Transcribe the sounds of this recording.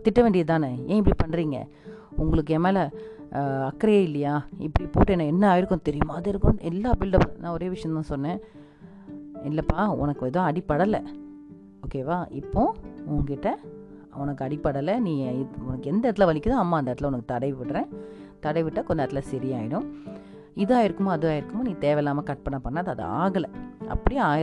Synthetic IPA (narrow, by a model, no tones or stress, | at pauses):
t̪ɪʈːɐʋeːɳɖɪjɐt̪ãːnɐẽːɪp̬ːɐɽipɐɳːɾiːŋɡɐ̰ | ʊŋɡɐɭɯkːɯeːmeːlɐ | ɐkːɾɐjɐɪlːɐjaːɪpːɐɽipoːʈːɛnɐ̃ɛnːɐaːɪɾɯkːʊ̃t̪ɛɾɪjɐmaːðɪɾɯkːʊ̃ɛlːaːbɪlɖɐpnãːɔɾeːʋɪʂɐjɐ̃t̪ːãːsɔnːẽː | ɪlːɐpːaːʊ̰nɐkːɯɛðõːɐɽɪpːɐɽɐlɐ | oːkeːʋaːʔɪpːõːʊŋɪʈːɐ | ɔnɐkːɯɐɽɪpːɐɽɐlɐnĩːɪʊnɐkːɯɛnd̪ɐɾt̪ɪlɐʋɐlɪkʲːɯðãːɐmːaːɐnd̪ɐɛːɾt̪ɪlɐʊnɐkːɯt̪ɐɽɐɪʋʋɪʈːɾẽː | t̪ɐɽɐɪʋɪʈːɐkɔɲd͡ʒːɾt̪ːɪlɐsɪɾɪjaːjɪɽɯ̃m | ɪðɯaːjɪɾɯkːɯmaːɐðɯaːɪɾɯkːɯmaːnĩːt̪eːʋɛlːaːmɐkɐʈ̚pɐɳːɐpːɐɳːɐðɐðɯ̰a̰ːɣɐlɐʔɐ̰pːɐɽiaːɪ